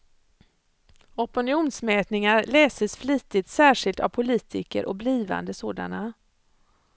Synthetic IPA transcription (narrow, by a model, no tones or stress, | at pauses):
ɔpʊnɪuːnsmɛːt̪nɪŋaɾlɛːsəsfliːt̪ɪt̪sæːʂɪlt̪a̰vpʰʊliːt̪ʰɪkə̰ɾʔɔk̚bliːva̰nd̪əsoːd̪a̰na